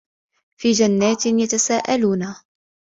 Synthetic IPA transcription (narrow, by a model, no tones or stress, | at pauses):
fiːd͡ʒanːaːt̪ɪjat̪asaːʔaluːna